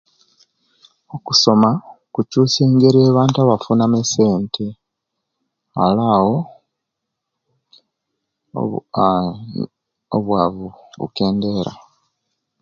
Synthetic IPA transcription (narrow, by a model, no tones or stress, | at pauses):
oku̥so̞makucuːse̞ːŋɡeɾieːβaːntaβafunamese̞ːntʰe | a̰laːwo̞ | o̰βwaβuβṵke̞ːnde̞ːɾa̰